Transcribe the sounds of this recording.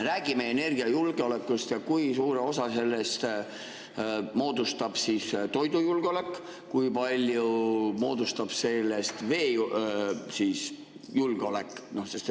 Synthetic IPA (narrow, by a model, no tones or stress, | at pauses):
ræːɡ̥imeene̞rɡ̥iɑjulɡ̥eo̞le̞kːˑust̪jɑkujsuːɾeo̞sɑse̞lːe̞st̪ | mo̞ːd̪ust̪ɑb̥sist̪o̞jd̪ujulɡ̥eo̞le̞kːˑ | kujpɑlʲjumo̞ːd̪̥ust̪ɑb̥se̞lːe̞st̪ve̞ː | siːs | julɡ̥eo̞le̞kːˑno̞hse̞st̪e